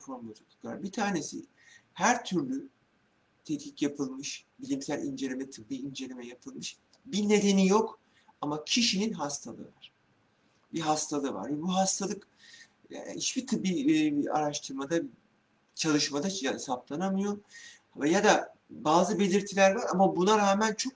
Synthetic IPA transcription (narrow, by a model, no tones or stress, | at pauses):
foɾmˠat͡ʃʰokʰukʰlˠa̰ɾbit̪ʰaːne̞sḭ | hæɾt̪ʰyɾlʲy | t̪ʰɛt̪ʲi̥cjapʰɯlˠmɯʃbilʲimsælʲḭnd͡ʒe̞lʲemɛt̪ʰɯ̥bbiind͡ʒe̞lʲemɛjapʰɯlˠmɯʃ | bine̞d̪e̞nijo̞k | amacʰiʃininɦast̪ʰalˠɯ̰vaɾ̥ | biɦast̪ʰalˠɯva̰ɾvɛbuɦast̪ʰalˠɯk | it͡ʃbit̪ʰɯbia̰ɾaʃt̪ʰɯɾmad̪a | t͡ʃʰalˠɯʃmad̪aansaplˠanamɯjo̞ɾ | vɛjad̪a | baːzɯbe̞lʲiɾt̪ʰilʲæɾvaɾamabunaɾaːmænt͡ʃʰok̚